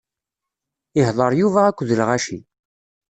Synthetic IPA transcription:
ɪhðˤəɾˤjuvæækʷːðəlʁæʃi

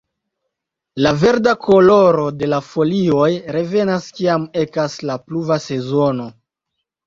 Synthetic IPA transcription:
lave̞ɾdakʰo̞lo̞ɾo̞de̞lafo̞lio̞jɾe̞ve̞naskiame̞kaslapluvase̞zo̞no̞

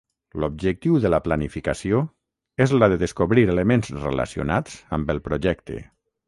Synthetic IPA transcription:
lob̚ʒək̚t̪iwðələplanifikasio | ezləðəðəskoβɾiɾeləmẽnzrḛla̰sio̰nat͡səmbəlˠpɾoʒɛkt̪ḛ

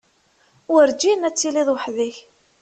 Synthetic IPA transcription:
wɾd͡ʒinæt͡sːiliðˤwħðiç

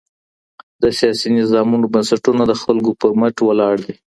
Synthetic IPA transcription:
d̪əsijɑsinɪzɑmunobənsaʈunad̪əxalɡopəməʈwəlɑɽd̪i

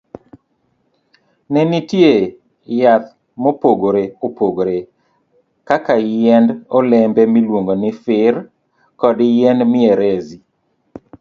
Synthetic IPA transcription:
nɛnitje | jat̪ | mopoɡoɾeopoɡoɾe | kakajɛndɔlɛmbɛmilwoŋɡonɪfɪr | kɔdjɛndmɪeɾɛzi

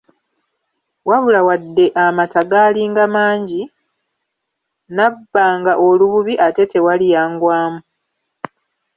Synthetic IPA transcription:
waβulawadːe̞ʔamataɡaːliːŋɡamaːɲɟi | nabːaːŋɡaʔoluβuβiʔate̞te̞walijaːŋɡwaːmu

